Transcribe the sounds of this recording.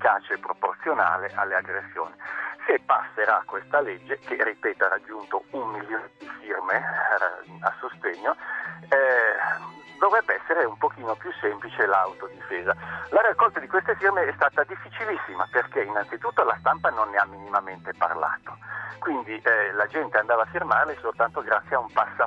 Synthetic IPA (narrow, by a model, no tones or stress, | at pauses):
fikaːt͡ʃeepːɾoport̪sjona̰ːleʔalːeaɡɾesːjo̰ːnisepasːeɾakːwest̪aled͡ʒːekerːipeːt̪aɾad͡ʒːunt̪oummiljoːned̪ifirmḛ | a̰sost̪eɲːo | d̪ovɾɛbːeɛsːeɾeumpokiːnopjusːemplit͡ʃelawt̪od̪ifeːzalaɾakːɔlt̪ad̪ikwest̪efirmeɛst̪aːt̪ad̪ifːit͡ʃilisːima̰perkeinansit̪ut̪ːolast̪ampanonːeamːinimament̪epa̰rla̰ːt̪o̥kwind̪iʔlad͡ʒɛnt̪eand̪aːvafːirmarlesolt̪ant̪oɡɾat̪sjaumpasːa